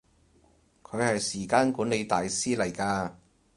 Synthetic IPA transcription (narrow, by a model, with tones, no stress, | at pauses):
kʰɵ˨˧ɥhɐ˨jsiː˨˩kaː˧˥nkuː˨˥nle˨˧jt̪aː˨jsiː˥lɐ˨˩jkaː˧